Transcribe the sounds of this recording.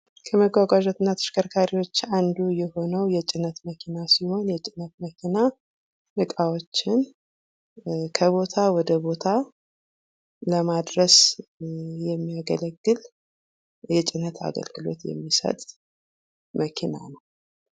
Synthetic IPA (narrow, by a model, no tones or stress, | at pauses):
kʰəməɡʷwaɡʷaʒot̪ɨnːat̪ʰɨ̥ʃkʰəɾkʰaɾiwo̞t͡ʃːand̪ujɛho̞nəwjɛt͡ʃʼɪnːət̪məkʰinasiho̞njɛt͡ʃʼɪnːət̪məkʰina | nɨkʼawo̞t͡ʃːɪn | kʰəβo̞t̪ʰawɔd̪əbo̞t̪ʰa | ləmad̪ɾəs | jɛmːijaɡələɡːɨl | jɛt͡ʃʼɪnət̪ʰa̰ɡə̰lɡɨlo̞̰t̪jɛ̰mːisə̰t̪ʼ | məkʰina̰nəw